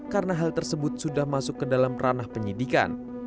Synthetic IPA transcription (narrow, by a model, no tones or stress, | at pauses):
karənaɦalt̪ərsəbʊt̪̚sudahmasʊkːədalamrʔanahpəɲidika̰n